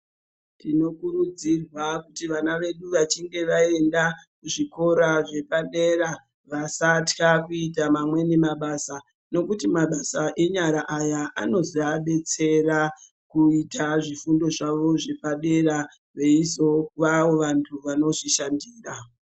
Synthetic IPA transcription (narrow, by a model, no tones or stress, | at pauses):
tino̞kurud͡zirwakutiʋanaʋe̞ɗuʋat͡ʃiŋɡe̞ʋae̞ndakuʐiko̞ɾaʐe̞paɗe̞ɾa | ʋasatkakuitamamwe̞nemaɓaːsa | no̞kutimaɓasaʔe̞ɲaɾaʔajaʔano̞ziaɓe̞t͡se̞ɾa | kuitaʐifundo̞ʐaʋo̞ʐe̞paɗe̞ɾa | ʋe̞iso̞ʋaʋo̞ʋantʰuʋano̞ʐiʃandiːra